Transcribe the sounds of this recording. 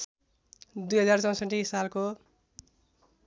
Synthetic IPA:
d̪ujɦʌd͡zart͡sʌ̃w̃sʌʈːisalko

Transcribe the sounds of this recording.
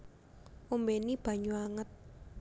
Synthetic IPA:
ʔumbenib̥a̤ɲuaŋət̪̚

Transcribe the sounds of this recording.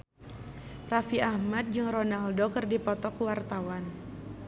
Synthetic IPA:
rafiahmat̪̚d͡ʒɨŋronaldokɨrdipɔt̪ɔkuwart̪awan

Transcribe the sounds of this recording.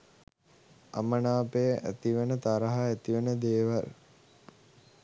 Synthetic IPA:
a̰mənaːpejəʔæ̰t̪iʋenət̪aɾəɦaæt̪iʋenəd̪eːʋal

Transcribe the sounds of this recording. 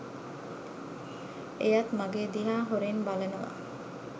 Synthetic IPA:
ejat̪maɡeːd̪iɦaːɦoɾenbalenəʋa̰

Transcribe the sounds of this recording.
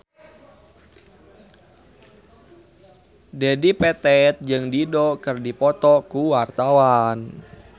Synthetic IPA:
dɛdipɛt̪ɛt̪̚d͡ʒɨŋdidɔkɨrdipɔt̪ɔkuwart̪awan

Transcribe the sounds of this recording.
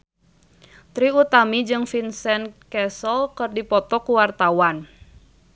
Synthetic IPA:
t̪ɾiut̪amid͡ʒɨŋfinsɛnkɛsəlkɨrdipɔt̪ɔkuwart̪awan

